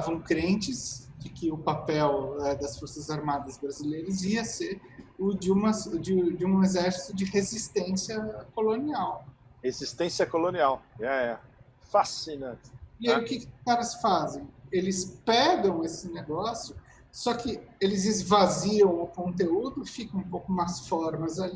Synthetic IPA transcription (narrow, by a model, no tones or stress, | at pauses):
avɐ̃w̃kɾẽnt͡ʃɪzd͡ʒɪkɪʊpapɛwɛd̪ɐsfoɾsɐzaɾmad̪ɐzbɾazilejɾɐziɐseɾ | ʊd͡ʒɪũmɐsd͡ʒɪd͡ʒɪũezɛɾsi̥t̪ʊd͡ʒɪhezist̪ẽsiɐkoloniawhezist̪ẽsjɐkolõniawaɛ | fasinɐ̃t͡ʃɪ̥ɪajiʊkɪkɪkaɾɐsfazẽj̃elɪspɛɡɐ̃w̃esɪneɡɔsjʊ | sɔkɪelɪzɪzvaziɐ̃w̃ʊkõnt̪eud̪ʊfikɐ̃ũpowkʊmasfɔɾmɐzali